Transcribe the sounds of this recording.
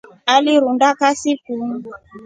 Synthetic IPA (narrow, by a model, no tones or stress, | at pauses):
aliɾundakasikum̩